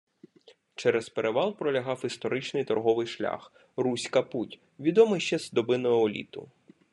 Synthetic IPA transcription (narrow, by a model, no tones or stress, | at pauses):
t͡ʃɛɾɛspeɾeʋɑlˠpɾɔlʲɐɦɑwist̪ɔɾɪt͡ʃnɪjt̪ɔrɦɔʋɪjʃlʲa̰x | rusʲkɐputʲ | ʋʲid̪ɔmɪjʃt͡ʃɛzd̪ɔbɪnɔjɔɔlʲḭt̪ʊ̰